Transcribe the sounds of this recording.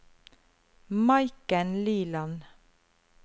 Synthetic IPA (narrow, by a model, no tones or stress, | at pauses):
mɑɪkənliːlɑn